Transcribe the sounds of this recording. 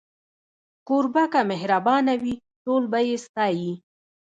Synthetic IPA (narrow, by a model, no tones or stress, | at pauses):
koɾbakamɪɦɾabɑnawi | ʈolbajest̪ɑji